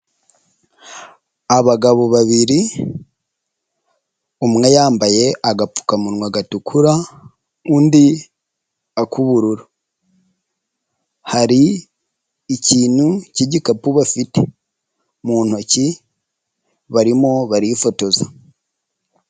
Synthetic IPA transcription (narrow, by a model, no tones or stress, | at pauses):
aβaɡaβo̞βaβiɾi | umŋejaːmbaje̞ʔaɡapu̥kamunŋwaɡatukʰuɾa | uːndi | akʰuβuɾuɾa | haɾiː | ciːn̥huciɟikapuβafite | muːn̥hoci | βaɾimo̞βaɾifo̞to̞za